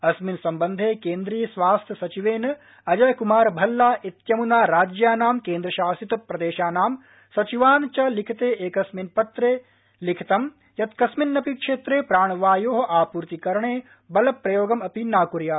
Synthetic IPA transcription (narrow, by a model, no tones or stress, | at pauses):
ɐsminsɐmbɐnd̪ʱekẽːnd̪ɾiːjɐsʋaːst̪ʰjɐsɐt͡ʃiʋeːnɐ | ɐd͡ʒɐjkumaːɾbʱɐlːaːʔit̪jɐmunaːɾaːd͡ʒjaːnaːmkeːnd̪ɾɐʃaːsit̪pɾɐd̪eːʃaːnaːm | sɐt͡ʃiʋaːnt͡ʃɐlɪkʰt̪eːʔeːkɐsminpɐt̪ɾeː | lɪkʰt̪ɐm | jɐt̪kɐsminːɐpikʃeːt̪ɾeːpɾaːɳ̃ʋaːjoːɦɐ̆ʔaːpuːɾt̪ikɐɾɳ̃eː | bɐlɐpɾɐjoːɡɐmɐpinaːkuɾjaː